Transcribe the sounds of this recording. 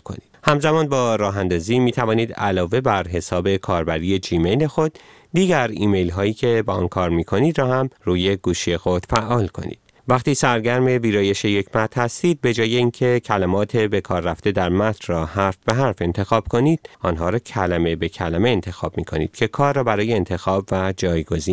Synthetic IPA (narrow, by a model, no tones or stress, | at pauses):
kʰo̰niːd̪hæmzæmɒːnbɒːɾɒːɦænd̪ɒːziːmiːt̪ʰævɒːniːd̪æ̰lɒːve̞bæɾɦe̞sɒːbe̞kʰɒːɾbæɾije̞d͡ʒiːme̞jle̞xo̞d̪̥ː | iːɟæɾiːme̞jlɦɒːjiːcʰe̞bɛʔɒ̰ːnkʰɒːɾmiːkʰo̞niːd̪ɾɒːhæmruːje̞ɡuːʃie̞xo̞d̪̥fæʔɒːlkʰo̞̰nḭːd̪̥̚ | væxt̪iːsæɾɟæɾme̞viːɾɒːje̞ʃe̞je̞cʰmæt̪ɾ̥hæst̪iːd̪̚be̞d͡ʒɒːje̞iːncʰecʰælæmɒːt̪ʰe̞be̞kʰɒːɾːæft̪e̞d̪æɾmæt̪ʰrɒːhæɾfb̥e̞ɦæɾfe̞nt̪ʰe̞xɒːb̥̚kʰo̞niːd̪̥̚ɒnɦɒːɾɒːcʰælæmebe̞cʰælæme̞ːnt̪ʰe̞xɒːb̥̚miːkʰo̞̰niːd̪̥̚cʰe̞kʰɒːɾːɒːbæɾɒːje̞ːnt̪ʰe̞xɒːbvæd͡ʒɒːjɡo̞ziː